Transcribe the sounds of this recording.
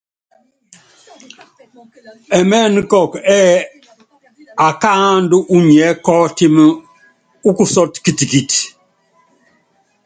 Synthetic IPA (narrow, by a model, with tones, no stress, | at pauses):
ɛ˨mɛ˦n˦kɔ˨kɛ˦ | a˨ka˦ndu˦ʔu˦ɲ˨ɛ˨˦kɔ˦ti˦m˦ | u˦ku˨sɔ˦tki˦˨ti˨ki˨t